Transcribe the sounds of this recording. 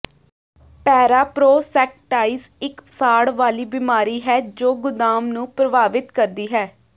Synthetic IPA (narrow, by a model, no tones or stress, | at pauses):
pɛːɾaːpɾoːsɛːk̚ʈaːiːs | ɪksaːɽʋaːliːbɪmaːɾiːɦɛːd͡ʒoːɡʊd̪aːmnũːpɾəbaːʋɪt̪kəɾd̪iːɦɛː